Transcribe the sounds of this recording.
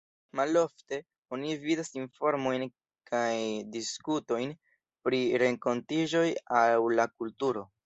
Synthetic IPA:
malo̞fte̞ | o̞nividasinfo̞ɾmo̞jn | kʰajdiskuto̞jn | pɾiɾe̞ŋko̞ntid͡ʒo̞jawlakultuɾo̞

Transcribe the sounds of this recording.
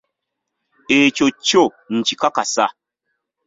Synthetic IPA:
et͡ʃot͡ʃo | n̩t͡ʃikakasa

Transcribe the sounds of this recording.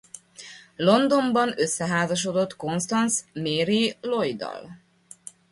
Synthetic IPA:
lo̞nd̪o̞mbɒnø̞sːɛɦaːzɒʃ̬od̪o̞t̪ko̞nst̪ɒnsmeːɾilo̞jd̪ɒ̰l

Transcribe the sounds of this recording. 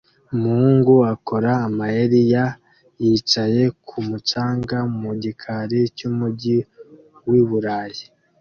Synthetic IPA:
umuuːŋɡuako̞ɾaːmajeɾija | jit͡ʃaje̞kʰumut͡ʃaːŋɡamuɟikʰaɾicumuɟi | wiβuɾaji

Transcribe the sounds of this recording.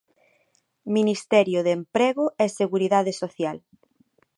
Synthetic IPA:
minist̪ɛɾjʊðempɾɛɣʊʔɛseɣuɾiðaðɪsoθjal

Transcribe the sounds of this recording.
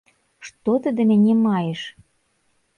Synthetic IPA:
ʃt̪ot̪ə̆d̪ĕnĕnʲemɑjeʃ

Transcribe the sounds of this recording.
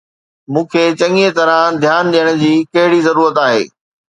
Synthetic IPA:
mũːkʰet͡ɕɐ̃ŋet̪ɐɾãd̪ʱjaːnɗijəɽ̃ʊd͡ʑiːkɐɦɪɽizɐɾuːɾət̪aːɦḛː

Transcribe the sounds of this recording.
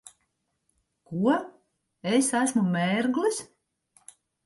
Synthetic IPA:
kuɔ | esæsʲmumɛːɾɡlis

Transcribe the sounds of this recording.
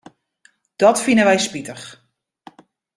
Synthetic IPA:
d̥ɔtfinəʋɛjspitəx

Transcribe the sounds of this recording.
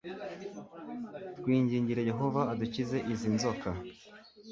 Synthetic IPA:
tɡwiːɲɟiːɲɟiɾeje̞ɦo̞vaːducize̞ʔizinzo̞ka

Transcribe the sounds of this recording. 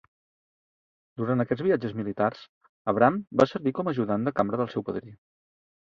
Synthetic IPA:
d̪uɾant̪əkɛd͡zβiad͡ʒəzmilit̪ars | əβɾambasəɾβikɔməʒuðand̪əkambɾəðəlˠsɛwpəðɾi

